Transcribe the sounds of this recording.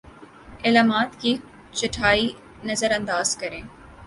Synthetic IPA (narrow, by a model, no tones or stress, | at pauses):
eːlaːmaːt̪ki | t͡ʃɐʈʰaːi | nɐzəɾɐ̃nd̪aːz̥kɐɾẽː